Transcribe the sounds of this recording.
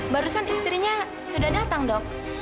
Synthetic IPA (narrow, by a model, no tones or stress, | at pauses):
baɾusanist̪ɾiɲa | sudahdat̪aŋdɔŋ̚